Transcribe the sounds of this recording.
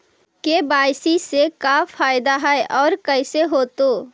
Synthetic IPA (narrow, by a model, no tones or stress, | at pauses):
kebaːɪsisekafʰaːɪd̪aɦɛeʔɔːɾkəɪseɦoːt̪o